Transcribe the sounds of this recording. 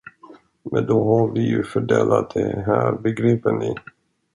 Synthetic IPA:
mɛnd̪ɔɦaɾvɪjɵfœɖɛːlat̪̚d̪ɛɦæːɾbɛɡɾiːpənlɪ

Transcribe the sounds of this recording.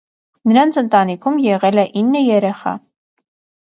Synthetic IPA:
nəɾɑnt͡sʰənt̪ɑnikʰumjɛʁɛlɛʔinːəjɛɾɛχɑ̰

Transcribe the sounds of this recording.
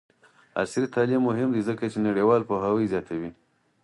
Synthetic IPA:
a̰sɾit̪ɑlimːʊɦɪmd̪izəkat͡ʃenaɽiwɑlpoɦawəjzjɑt̪ʰawi

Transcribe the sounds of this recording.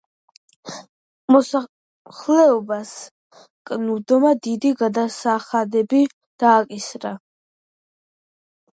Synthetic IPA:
mɔsa | χlɛɔbas | kʼnud̪ɔmad̪id̪iɡad̪asaχad̪ɛbi | d̪̥aːkʼisɾa

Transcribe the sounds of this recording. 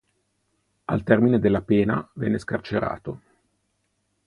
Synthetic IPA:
a̰lt̪ɛrmined̪elːapeːna̰vɛ̰ːnːeskart͡ʃeɾa̰ːt̪o

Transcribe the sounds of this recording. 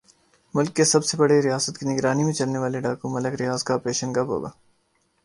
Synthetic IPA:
mʊlkːesɐbsebɐɽeɾɪjaːsət̪kinɪɡɾaːnimẽt͡ʃɐlneʋaːleɖaːkũmɐləɡɾɪjaːzkaɔpɾeːʃənɡɐbɦo̰ːɡa̰ː

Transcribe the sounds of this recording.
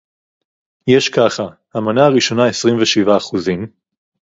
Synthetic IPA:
jeʃkaχahamanaaʁiʃo̞naesʁimveʃivaːχuzim

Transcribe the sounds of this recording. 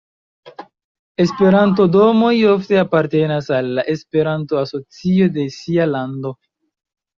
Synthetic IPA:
e̞spe̞ɾant̬o̞do̞mo̞jo̞fte̞apaɾte̞nasalːaʔe̞spe̞ɾantoaso̞t͡sio̞de̞sialando̞

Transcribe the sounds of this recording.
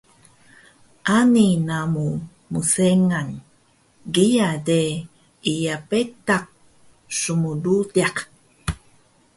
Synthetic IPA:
ʔaninamu | museŋan | ɡijade | ijapetak̚ | sumududaq

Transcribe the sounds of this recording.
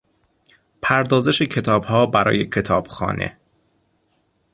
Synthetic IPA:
pʰæɾd̪ɒːzeʃecʰe̞t̪ʰɒːbhɒːbæɾɒ̰ːjecʰe̞t̪ʰɒːb̥xɒ̰ːne̞̰

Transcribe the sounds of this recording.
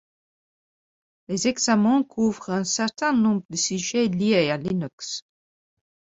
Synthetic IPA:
lezɛɡzamɑ̃kʰuvʁɛ̃sɛʁt̪ɛ̃nɔ̃bʁəd̪əsyʒeliealinœks

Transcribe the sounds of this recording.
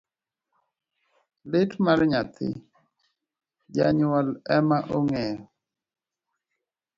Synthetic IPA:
lɪtmaɾɲat̪ʰɪ̰ | d͡ʒaɲwɔlɛmaʔoŋɛjɔ

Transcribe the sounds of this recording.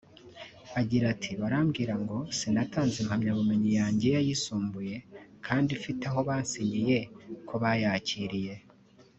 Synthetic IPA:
aɟiɾatʰiβaɾamɡiːɾaŋɡo̞sinataːnzemhamɲaβume̞ɲijaːɲɟe̞jajisuːmbuje̞kʰaːndifitaɦo̞βaːnsiɲije̞kʰoβajaːciɾije̞

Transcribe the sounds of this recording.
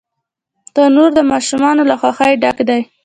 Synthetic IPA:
d̪̥ɑnoɾd̪əmɑʃumɑnolaxwɑxajɖakd̪aj

